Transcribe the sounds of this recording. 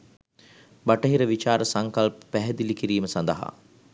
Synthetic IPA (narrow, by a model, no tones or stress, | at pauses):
baʈəɦiɾəʋit͡ʃaːɾəsaŋkalpə̥pæɦɛd̪ilikiɾiːməsand̪əɦa̰